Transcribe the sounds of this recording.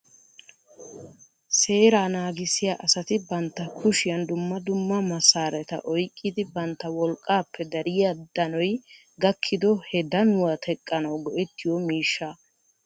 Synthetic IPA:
se̞ːɾaːnaːɡɪsɪjaːʔɐsɐt̪ɪbɐnt̪ːɐkʰʊʃɪjɐnd̪ʊmːɐd̪ʊmːɐmɐsːaːɾɛt̪ɐ̰ʔɔjkʼːɪd̪ɪbɐnt̪ːɐwɔlkʼːaːpːɛd̪ɐɾɪjad̪ɐnɔj | ɡɐkʰːɪd̪ɔhɛd̪ɐnʊwat̪ʰɛkʼːɐnɐwɡɔʔɛt̪ːɪjɔmiːʃːɐ

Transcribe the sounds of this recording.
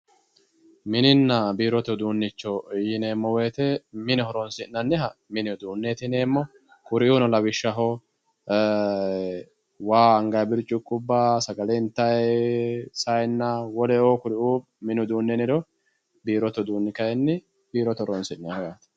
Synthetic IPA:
mɪnɪnːɐbiːɾɔt̪ɔd̪uːnːɪt͡ʃːɔjɪneːmːɔweːt̪ɛmɪnɛhɔɾɔnsɪʔnɐnːɪɦɐmɪnɪɔd̪uːnːeːt̪ɪneːmːɔ | kʊɾɪʔunɔlɐwɪʃːɐɦɔ | waːɐŋɡɐjbɪɾt͡ʃʼːʊkʼːʊbːaːsɐɡɐlɛɪnt̪ːɐj | sɐjnːɐwɔlɛoːkʊɾɪuː | mɪnʊd̪uːnːɛnɪɾɔ | biːɾɔt̪ɔd̪uːnːɪkɐjɛnːɪ | b̥iːɾɔt̪ɔɾɔnsɪʔnehɔjaːt̪

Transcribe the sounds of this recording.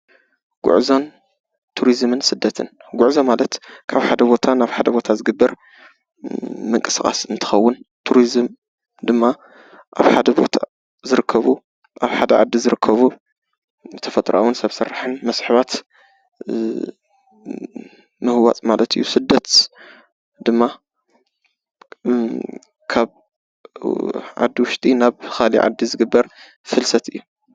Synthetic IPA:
ɡ̥ʊ̰ʕzon | t̪ʰuɾizmɨnsɨd̪ːɐt̪ʰɨnɡʷʊʕzomalɐt̪kʰaβħad̪ɐbo̞t̪ʰanaβħad̪ɐbo̞t̪ʰazɨɡɨbːɐɾ | mɨŋkʼɨsɨkʼa̰sɨnt̪ʰɨ̥xɐwːʊnt̪ʰuɾizɨm | d̪ɨmːa | ʔa̰βħad̪ɐbo̞̰t̪ʰa | zɨɾɨkʰːɐβu | ʔaβħad̪ɐʕa̰d̪ːizɨɾɨkʰːɐβu | t̪ʰɐfɐt̪ʼɾa̰wʊnsɐβsɐɾːħɨnmɐsħɨβat̪ | mɨhɨwa̰t͡sʼmalɐt̪ɨ̰jːusɨd̪ːɐt̪ | d̪ɨmːa | kʰaβ | ʕa̰d̪ːiwʊʃt̪ʼinaβxalḭʕa̰d̪ːizɨɡɨbːɐɾ | fɨlsɐt̪ɨjːu

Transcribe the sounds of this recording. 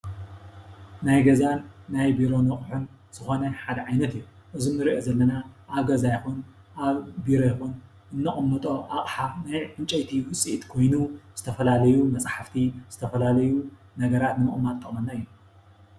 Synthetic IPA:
najɡɐzanːajbiɾo̞nɐχʼħun | z̥ɨxo̞nɐħad̪ɐʕajnɐt̪ɨjːu | ʔɨzinɨɾiʔo̞zɐlːɐnaʔːβɡɐzajxun | ʔaβbiɾojxun | ʔɨnːɐχʼɐmːɐt̪ʼo̞ʔaχʼħanajʕɨnt͡ʃʼɐjt̪ʰiwʊsʼiʔt̪kʰo̞jnuz̥ɨt̪ʰɐfɐlalɐjumɐt͡sʼħaft̪ʰiz̥ɨt̪ʰɐfɐlalɐju | nɐɡɐɾat̪nɨmɨ̰kʼɨmːat̪ʼːɐχʼmɐnːaɨjːu

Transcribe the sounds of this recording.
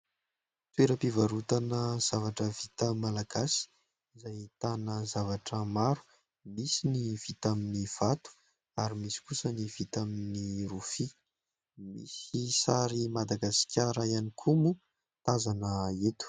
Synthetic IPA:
t̪weɾəpivaɾut̪anəz̥avaʈ͡ʂəvit̪əmalaɡ̥asi̥ | zajt̪anəzavaʈ͡ʂəmaɾu̥ | misiniv̥it̪aminiv̥at̪u̥ | aɾimisi̥kusənivit̪aminiɾufi | mḭsisaɾimad̪aɡaskʰʲaɾəianikʰumu | t̪azanəet̪u̥

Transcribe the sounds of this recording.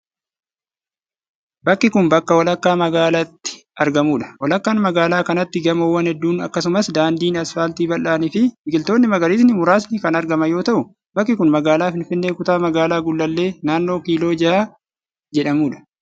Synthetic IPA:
bɐkːɪkʊnbɐkːɐwɐlɐkːaːmɐɡaːlat̪ːɪ̥ɐɾɡɐmuːᶑɐ̥wɐlɐkːaːnmɐɡaːlaːkɐnɐt̪ːɪɡɐmowːɐnhɛd̪ːuːnɐ̰kːɐs̬ʊmɐsd̪aːnd̪iːnɐsfaːlt̪iːbɐlːaːnɪfɪmɪɡɪlt̪o̞ːnːɪmɐɡɐliːs̬nɪmʊɾaːs̬nɪkɐnɐɾɡɐmɐjo̞ːt̪ɐʔʊ | bɐkːɪkʊnmɐɡaːlaːfɪnfɪnːe̞ːkʊt̪aːmɐɡaːlaːɡʊlːɐlːe̞ːnaːnːo̞ːkiːlo̞ːd͡ʒɪaː | d͡ʒɛᶑɐmuːᶑɐ̥

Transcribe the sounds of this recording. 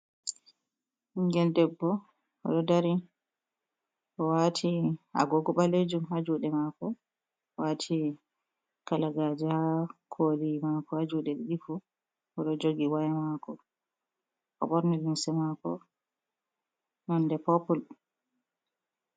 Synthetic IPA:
iŋɡɛndɛbːɔ | ɔ̰ɗɔdaɾi | ʔɔwatʰiha̰ɡɔɡɔɓaled͡ʒumhad͡ʒuːɗɛmakɔ | watʰi | kalaɡad͡ʒɛhakʰolimakɔhad͡ʒuːɗɛɗɛɗifu | ɔɗɔd͡ʒoɡiwajɛmakɔ | ʔɔ̰ɓɔɾnilinsɛmakɔ | nɔndɛpɔpɔl

